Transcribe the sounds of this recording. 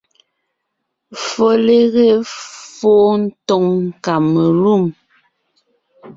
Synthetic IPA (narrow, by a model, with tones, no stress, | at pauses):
fɔ˨le˦ɣe˦foː˦n̩˦tɔ˨ŋŋ̩˨ka˨mə˨lu˦˨m